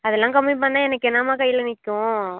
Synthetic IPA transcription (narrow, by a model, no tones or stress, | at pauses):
ɐðɛlːãːkɐmːip̬ɐɳːãːɛnɐkːɛnːaːmaːkɐjɪɭɐnɪkːʊ̃